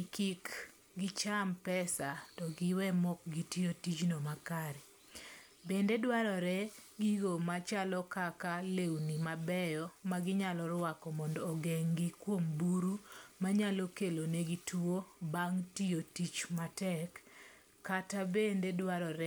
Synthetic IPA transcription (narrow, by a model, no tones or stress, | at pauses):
kik | ɡɪt͡ʃampɛsatɔɡɪwɛmɔk̚ɡitiotid͡ʒnomakaɾɛ | bendedwaɾɔɾɛɡiɡomat͡ʃalɔkakalewnimabɛjɔmaɡɪɲalɔɾwakɔmɔndɔːɡɛŋɡikwombuɾumaɲalɔkeloneɡituobaŋtijotit͡ʃmatɛkː | atabendedwaɾɔɾɛ